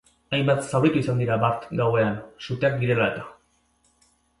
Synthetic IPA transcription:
ajmbat̪sawɾit̪uisand̪iɾabaɾt̪ɡawe̞ansut̪e̞ak̚d̪iɾe̞laet̪ḁ

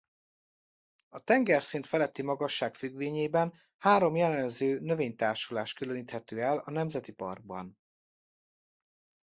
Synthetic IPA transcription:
ɒt̪ɛŋɡɛrsint̪fɛlɛt̪ːimɒɡɒʃːaːkfyɡʋeːɲeːbɛn | haːɾo̞mjɛlɛnzøːnøveːɲt̪aːrʃulaːʃt̪kyløniːt̪hɛt̪øːɛlɒnɛmzɛt̪ipɒ̰rɡ̚bɒ̰n

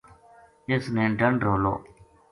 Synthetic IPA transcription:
ɪsnẽːɖəɳɖɾoːlo̰ː

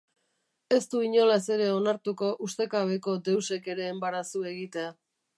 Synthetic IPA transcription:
e̞st̪uiɲo̞lase̞ɾe̞o̞naɾt̪uko̞ʔust̪e̞kaβe̞ko̞d̪e̞wse̞ke̞ɾe̞ːmbaɾasue̞ɣit̪e̞a

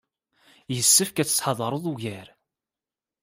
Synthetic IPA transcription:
jəsːəfkæt͡sːə̥sħɑðˤɑɾˤoðˤuʝæɾ

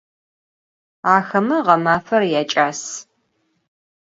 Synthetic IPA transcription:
aːxɐmɐʁɐmaːfɐrjaːt͡ʃʼaːs

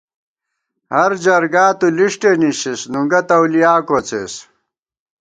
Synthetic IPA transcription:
hɐɾd͡ʑɐɾɡaːt̪uliʂʈeniɕisnuŋɡɐt̪ɐwlijaːkot͡sḛs

